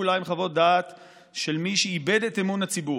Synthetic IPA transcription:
ulajmχavo̞t̚dat̪ | ʃe̞lmiʃiibed̪etemunat͡sibu

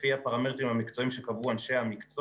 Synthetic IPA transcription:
fiapaʁametimhamikt͡so̞imʃekavuanʃe̞hamikt͡so

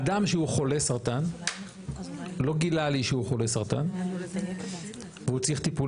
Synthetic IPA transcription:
ad̪amʃeuχo̞le̞saʁt̪an | lo̞ɡilaliʃeuχo̞le̞saʁt̪a̰n | veut͡siχt̪ipu

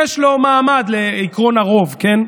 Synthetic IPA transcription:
jɛʃlo̞maːmad̪leikʁo̞naʁo̞vken

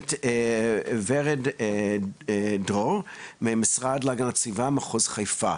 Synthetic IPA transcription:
t | veʁɛd | dʁolmemisʁadlaɡant͡sivamaχuzχajfa

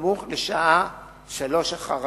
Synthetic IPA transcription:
muχleʃaʔa | ʃalo̞ʃaχaʁ

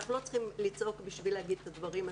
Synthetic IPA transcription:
aχnulo̞t͡sχimlit͡sʔo̞kbiʃvileaɡid̪̚t̪ad̪vaʁima

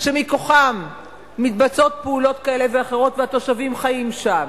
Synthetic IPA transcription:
ʃemiko̞χamː | it̪bat͡so̞t̚peulo̞tkae̞le̞veaχe̞ʁ̞o̞tveat̪o̞ʃavimχajimʃam

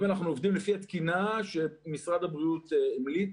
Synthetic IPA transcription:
manaχnuovd̪imlefiat̪kinaʃemisʁad̪abʁiut̪eemlit

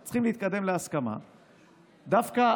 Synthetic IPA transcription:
t͡sχimlehit̪̚kad̪e̞mleaskama̰ | d̪afka

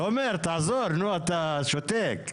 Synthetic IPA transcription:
omeɾt̪azoɾnuat̪aʃot̪ek

